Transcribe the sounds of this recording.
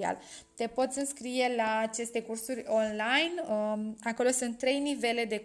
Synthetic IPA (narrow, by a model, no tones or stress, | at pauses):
a̰l | t̪e̞po̞t̪sʲɨnskɾije̞laːt͡ʃe̞st̪e̞kursuɾʲo̞nlajnako̞lo̞sunt̪ːɾe̞jnive̞le̞d̪e̞